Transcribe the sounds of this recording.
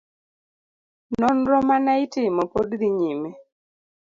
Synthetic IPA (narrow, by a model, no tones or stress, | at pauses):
nɔnɾɔmanaɪtɪmɔpodɾiɲimɛ